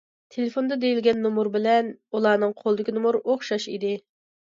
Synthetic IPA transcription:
t̪ʰelefond̪ɑd̪ejilɡʲɛnːumuɾbɪlɛnulˠɑːnɨŋqʰolˠɨd̪ɪkʲinumuɾoχʃɑʃḭd̪ɪ

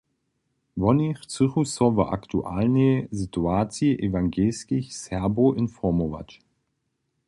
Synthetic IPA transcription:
vɔniχt͡sɪχusɔva̰ʔa̰ktʰṵʔalnezituaːt͡sjəʔevaŋɡeːskɪçsɛɐboʔɪnfɔmova̰t͡ʃ

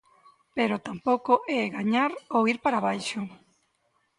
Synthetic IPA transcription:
peɾʊt̪ampowkoʔɛɣaɲaɾowiɾpaɾaβajʃʊ

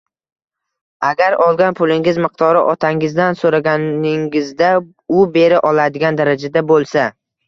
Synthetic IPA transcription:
aɡʲaɾɒlˠɡʲanpʰʊlɪŋɪzmɪq̚t̪ʰɒɾɪʔɒt̪ʰaŋɪzd̪ansoɾaɡʲanɪŋɪzd̪a | ʊbe̞ɾɪʔɒlad̪ɪɡʲand̪aɾad͡ʒad̪abolˠsa

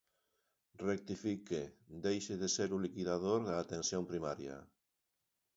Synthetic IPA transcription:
rek̚t̪ifiked̪ejʃeðeseɾulikiðaðoɾðaːt̪ensjompɾimaɾjɐ̰

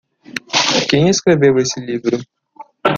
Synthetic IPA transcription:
kẽj̃eskɾevewesɪlivɾʊ

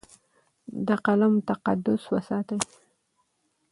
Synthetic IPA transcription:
d̪əqalamt̪aqad̪ʊswəsɑt̪aj

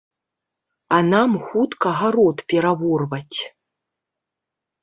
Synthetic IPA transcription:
anamxut̪kɐɣaɾɔt̪pʲɛɾavɔrvɐt͡sʲ

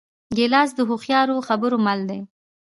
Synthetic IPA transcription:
ɡelɑs̬d̪əɦʊxjɑɾoxabəɾomald̪e

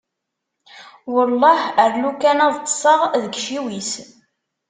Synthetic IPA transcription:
wəlˤːɑhəɾlukænæðˤt̪ˤːə̥sˤəʁðəɡʃiwis

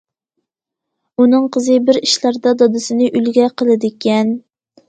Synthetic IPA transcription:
unɨŋqʰəzɨbɪɾiʃlˠæɾd̪ɑd̪ɑd̪ɨsɪnɨʔylɡʲɛqəlˠɨd̪ɪkʲʰɛn

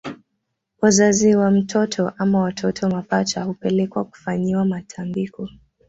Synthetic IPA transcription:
wazaziwam̩tʰɔtʰɔʔamawatʰɔtʰɔmapat͡ʃahupɛlɛkwaku̥faɲiwamatʰambikɔ

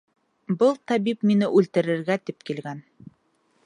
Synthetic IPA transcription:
bɤlˠt̪ɑβipminɘʔʉlt̪ɘ̆ɾɘ̆ɾɡæt̪ip̚kilɡæn

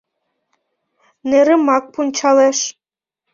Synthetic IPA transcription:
neɾɘ̆mɑk̚punt͡ɕɑleʃ

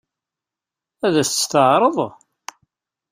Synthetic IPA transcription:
æðæst̪ːst̪əʕɾˤəðˤ

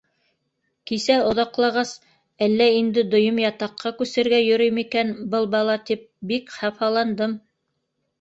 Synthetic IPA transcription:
kisæŏðɑqlˠɑʁɑs | ælːæind̪ɘd̪ŏjomjɑt̪ɑqːɑkʉsɘ̆ɾɡæjɵ̆ɾɵjmikænbɤlˠbɑlˠɑt̪ip̚bikχɑfɑlˠɑnd̪ɤm

